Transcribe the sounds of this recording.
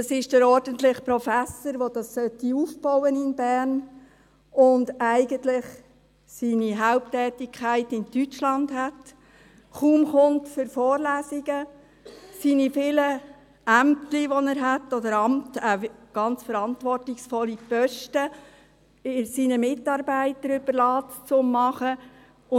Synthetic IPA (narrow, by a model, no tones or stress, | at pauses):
ɑsɪʃd̥əɾɔɾd̥əntlɪχpɾɔfæsəɾʋodɑssœtːiufbɔwənɪnbæːɾn | ʊndæɪɡ̥əntlɪχ | siniɦaʊp̚tɛːtɪkʰχæɪtɪntyt͡ʃlɑndhæt | χuːmχʊntfʏɾfɔːɾlæːsiɡə | siːnifɪːlə | æmtliʋɔnæːɾɦæt̪ːɔdəɾɑmtəɡ̥ɑnt͡sfəɾɑntʋɔrtɪksfɔlːipœʃtə | ɪsinəmɪtɑːɾbæɪtəɾʏb̥əɾlɑːtt͡sʊmːɑχə | ʊ